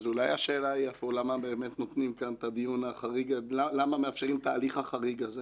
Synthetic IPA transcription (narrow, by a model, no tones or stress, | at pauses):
zulajaʃeːlaiafuulamabe̞ːmet̪not̪nimkant̪ad̪ijunaχaʁiɡalalamameafʃeʁimt̪aːliχaχaʁiɡaze